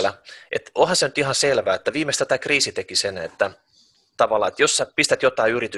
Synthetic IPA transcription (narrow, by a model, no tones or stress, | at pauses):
læʔḛt̪ohɑsenyt̪ihɑnselʋæːet̪ːæʋiːmekst̪æt̪æːkriːsit̪ekisenḛt̪ːæ | t̪ɑʋɑlːˑɑ̰ːet̪josːɑpist̪æt̪jot̪ɑiyrit̪y